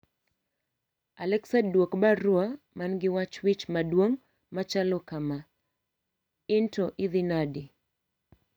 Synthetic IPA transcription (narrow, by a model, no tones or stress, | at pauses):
alɛksadwɔkbaɾua | manɡiwat͡ʃwit͡ʃmaɗwɔŋ | mat͡ʃalɔkama | intɔʔiðinadi